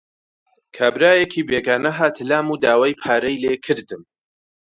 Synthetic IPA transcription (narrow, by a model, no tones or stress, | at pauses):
kʰaːbɾaːjekʰiːbeːɡaːnɐɦaːt̪ʰɨlaːmuːd̪aːwaːjpʰaːɾɐjleːkʰɨɾd̪ɨm